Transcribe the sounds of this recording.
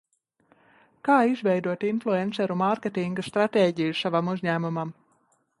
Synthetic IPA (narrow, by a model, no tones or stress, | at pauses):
kaːizvʲɛjd̪uɔt̪inflˠuensɛɾumaɾkʲet̪iŋɡast̪ɾat̪ʲeːɟijusavamuzʲɲæːmumam